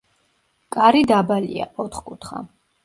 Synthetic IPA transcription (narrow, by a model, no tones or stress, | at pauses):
kʼaɾid̪abalḭa̰ʔɔt̪ʰχkʼut̪ʰχa̰